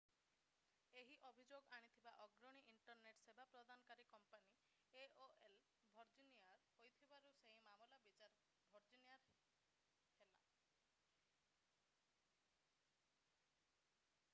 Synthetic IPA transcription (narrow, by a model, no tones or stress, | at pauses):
eɦiʔɔbʱid͡ʒoɡaɽ̃it̪ʰibaʔɔɡɾɔɽ̃iʔiɳʈɔɾneʈsebʱapɾɔd̪anɔkaɾikɔmpani | eoel | bʱɔɾd͡ʒiniaɾhojt̪ʰibaɾuseɦimamulabit͡ʃaɾ | bʱɔɾd͡ʒinijaɾɦ | hela̰